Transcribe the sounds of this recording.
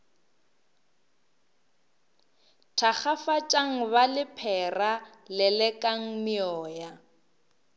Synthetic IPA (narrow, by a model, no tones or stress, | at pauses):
tʰak͡xafat͡ʃʼaŋ̩βalɪpʰɛralɪlɛkʼaŋ̩mɪɔːja